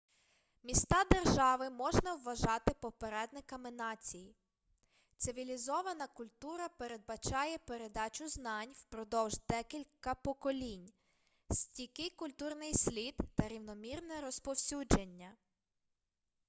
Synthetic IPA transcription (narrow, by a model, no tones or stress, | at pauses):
mʲist̪ɑd̪erʒɑʋɪmɔʒnɐwːɐʒɑt̪ɪpɔpeɾɛd̪nɪkɐmɪnɑt͡sʲiji | t̪sɪʋʲilʲizɔʋɐnɐkʊlʲt̪uɾɐpe̞ɾe̞d̪̚bɐt͡ʃɑjɛpe̞ɾe̞d̪ɑt͡ʃʲʊznɑnʲwpɾɔd̪ɔwʒd̪ɛkʲilʲkɐpɔkɔlʲinʲ | sʲtʲikɪjkʊlʲt̪urnɪjsʲlʲid̪ːɐɾʲiwnɔmʲirnɛɾɔspɔwsʲud͡ʒenʲːɐ